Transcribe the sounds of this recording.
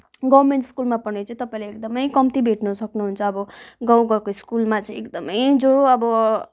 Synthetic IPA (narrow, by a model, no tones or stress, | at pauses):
ɡʌbmeɳʈskulmapʌnet͡saĩt̪ʌpaĩleekd̪ʌmʌjkʌmt̪ibʱeʈnusʌknuɦunt͡sʰʌːbʌɡãwɡʌɾkoiskulmat͡sʌĩekd̪ʌmʌjd͡zoʌbʌ